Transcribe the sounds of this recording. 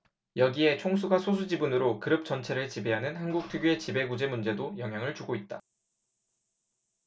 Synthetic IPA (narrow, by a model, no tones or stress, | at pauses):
jʌɡie̞t͡ɕʰoŋsʰuɡasʰos̬ʰud͡ʑibunɯɾokɯɾɯp̚t͡ɕ͈ʌnt͡ɕʰe̞ɾɯɭt͡ɕibe̞ɦanɯnhanɡuk̚tʰuɡjoe̞t͡ɕibe̞ɡud͡ʑe̞mund͡ʑe̞dojʌŋɦjaŋɯɭt͡ɕuɡoit̚t͈a